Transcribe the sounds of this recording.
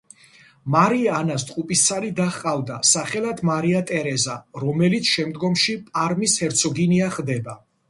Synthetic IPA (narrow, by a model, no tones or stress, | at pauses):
maɾiaːnast̪ʼqʼupʼist̪sʰalid̪aχqʼavd̪asaχɛlad̪ʰmaɾiat̪ʼɛɾɛzaɾɔmɛlit̪sʰʃɛmd̪ɡɔmʃipʼaɾmishɛɾt̪sʰɔɡiniaχd̪ɛba